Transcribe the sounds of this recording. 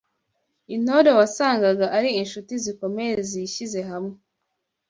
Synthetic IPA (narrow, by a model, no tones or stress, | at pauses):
in̥o̞ɾowasaːŋɡaɡaʔaɾiinʃutiziko̞meɾeziçize̞ɦamŋe